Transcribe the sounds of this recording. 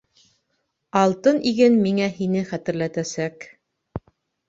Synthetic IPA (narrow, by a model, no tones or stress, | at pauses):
ɑlˠt̪ɤniɡɘnmiŋæhinɘχæt̪ɘ̆ɾlæt̪æsæk